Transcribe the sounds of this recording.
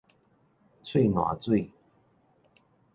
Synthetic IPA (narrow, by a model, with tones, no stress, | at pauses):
t͡sʰwe˥˩ɪnwa̰˨˩t͡swe˥˩ɪ